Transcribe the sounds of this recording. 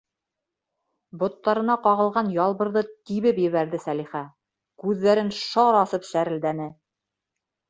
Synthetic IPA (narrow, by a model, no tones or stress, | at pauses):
bŏt̪ːɑɾɤ̆nɑqɑʁɤ̆lˠʁɑnjɑlˠβɤ̆ɾðɤt̪iβɘpjɘ̆βæɾðɘsæliχæ | kʉðːæɾɘnʃɑɾɑsɤpʃæɾɘ̆ld̪ænɘ